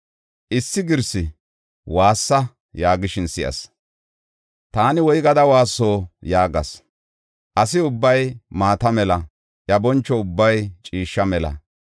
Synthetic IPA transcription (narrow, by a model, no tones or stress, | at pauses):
ʔɪsːɪɡɪɾsɪ | waːsːɐ | jaːɡɪʃɪnsɪʔɐ̰s | t̪aːnɪwɔjɡɐd̪ɐwaːsːo̞ːjaːɡɐ̰s | ʔɐs̬ɪʊbːɐjmaːt̪ɐmɛlɐ | ʔjɐbɔnt͡ʃːɔʊbːɐjt͡ʃʼiːʃːɐmɛlɐ̰